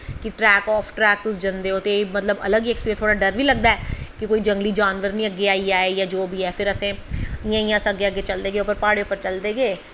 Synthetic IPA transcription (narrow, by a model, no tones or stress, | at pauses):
kɪʈɾɛːkɔːpʰʈɾɛːk̚t̪ʊsd͡ʒənd̪eːɦoːt̪emət̪ləbə̰ləɡiekspiːt̪ʰoːɽaːɖəɾʋiːləɡ̚d̪aːɛːkɪkoːiːd͡ʒə̃ŋɡliːd͡ʒaːnʋəɾnĩːəɡːeːaːiːaːeːjãːd͡ʒoːbʱiːɛːpʰɪɾəsẽːɪjãːɪ̃jãːsəɡːeːəɡeːt͡ʃəld̪eːɡeːʊpəɾpaːɽeːʊpːəɾt͡ʃəld̪eːɡeː